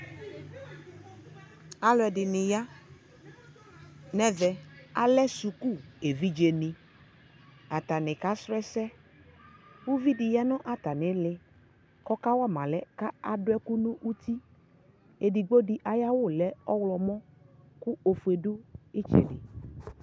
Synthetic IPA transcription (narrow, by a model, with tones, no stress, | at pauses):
a˦lɛ˨dɪ˨nɪ˨ja˦ | nɛ˦vɛ˨a˦lɛ˦su˨ku˦˨e˨vi˦d͡ʒe˨nɪ̃˨ | a˨t̪a˨nɪ˨ka˦sɾɛ˦sɛ˦ | wu˦vi˦dɪ˨ja˦nʊ˦ʔa˨ta˨nɪ˨˦lɪ˨ | kɔ˦ka˦wa˦˨mã˨lɛ˦ka˦a˨dʊ˨˦ɛ˦ku˦nʊ̃˦ʔu˦t̪i˦ | e˨di˨ɡ͡bo˦dɪ˨ʔa˨ja˦wʊ˦˨lɛ˦ɔ˦wlɔ˨mɔ̃˦ | kʊ˦o˨fu˨e˨dʊ˦ɪ˦t͡ʃɛ̰˨dɪ̰˨